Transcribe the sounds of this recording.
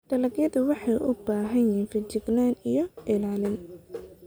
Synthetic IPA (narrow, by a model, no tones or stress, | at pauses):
ɖ̥ɐlɐɡjɐðʊwɑħɑjʔʊbaːɦɐnjɛnfɪt͡ʃɪɡnaːnijɔʔɪlaːlɪn